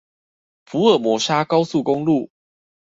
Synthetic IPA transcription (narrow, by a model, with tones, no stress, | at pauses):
fu˨˦ə˨˩mwɔ˧˥ʂa˦kɑ˦ʊsu˥˨ko˦ŋlu˥˨